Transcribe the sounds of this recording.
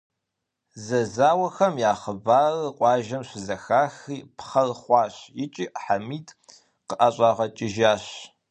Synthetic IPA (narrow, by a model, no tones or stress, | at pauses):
zɐzaːwɐxɐmjaːχəbaːrqʷʼɑːʒɐmɕɪzɐxaːxiːpχɐrχʷɑːɕjɪt͡ʃʼiːʔħamiːtʰʼ | qəʔɐɕʼɑːʁɐt͡ʃʼɪʒaːɕ